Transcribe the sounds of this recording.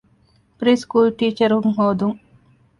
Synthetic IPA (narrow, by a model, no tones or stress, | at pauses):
pɾiːskuːlʈiːt͡ʃɐɾɦuŋɦoːd̪uŋ